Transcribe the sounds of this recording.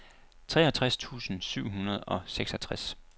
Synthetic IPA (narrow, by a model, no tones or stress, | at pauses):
t͡sʰʁɛ̰ːɐæt͡sʰʁast͡sʰṵːsn̩syʊ̰ɦunɐð̞̩ˠɒ̽seɡ̥sɒt͡sʰʁas